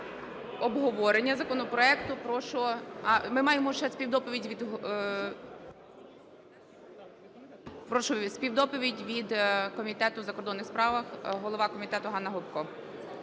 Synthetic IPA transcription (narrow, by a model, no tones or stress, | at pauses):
ɔbɦɔʋɔɾenʲːɐzɐkɔnɔpɾɔɛkt̪ʊpɾɔʃɔɑmɪmɑjemɔʃɛsʲpʲiwd̪ɔpɔʋʲidʲʋʲid̪ɦ | pɾɔʃɔsʲpʲiwd̪ɔpɔʋʲidʲʋʲid̪kɔmʲit̪ɛt̪ʊzɐkɔrd̪ɔnːɪxspɾɑʋɐxɦɔlˠɔʋɑkɔmʲit̪ɛt̪ʊɦɑnːɐɦʊp̚kɔ